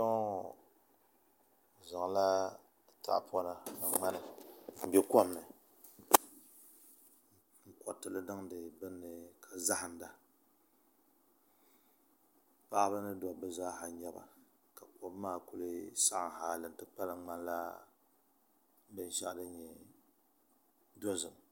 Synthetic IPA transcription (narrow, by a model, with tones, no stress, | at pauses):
ɔ˦˨ | za˨ŋ˨la˦˨ | ta̰˨ʔpɔ˦na˨nɨ˨ŋ͡ma˦nɨ˨m̩˨bɛ˦kɔ˦bnɨ˨ | ŋ̩˦kɔ˨tɨ˨lɨ˦dɨ˦ŋdɨ˨bɨ˦nːɨ˨kʰa˨za˦hɨ˨n˨da˨ | pa˦ʔbɨ˦nɨ˦dɔ˨bɨ˦zaː˦ha˨ɲɛ˦ba̰˨ | ka˨ko˨˦bmaː˦˨ku˦lɨ˦sa˦ʔa˨ŋ˨haː˨lɨ˨n̩˦tɨ˦k͡pa˦lɨ˨ŋ͡ma˦n˦la˦ | bɨ˦n˦ʃa̰˦ʔdɨ˦ɲɛ˨ | do˦zɨ˨m